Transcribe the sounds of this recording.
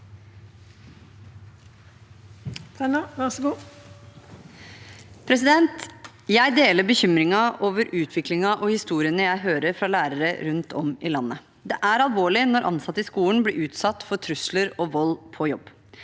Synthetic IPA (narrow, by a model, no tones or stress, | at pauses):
t̪ʰɛnəʋæʁsɡuː | pʰɾɛs̬ɪd̪ɛnt̪ | jæɪd̪eːləɾbəçʏmɾɪŋɑʔoːʋəɾʉːt̪ʰʋɪklɪŋɑʔɔhɪst̪uːɾɪənəjæɪɦøːɾəɾfɾɑlæːɾəɾəɾʉnt̪ʰɔmɪlɑnːə | d̪ɛʔæɾɑlˠʋoːɭɪnɔɾʔɑ̰nsɑt̪ːəɪskuːən̩blɪːʔʉːt̪sɑt̪ːfɔʈʰɾʉsləɾɔʋɔlːpʰɔjɔb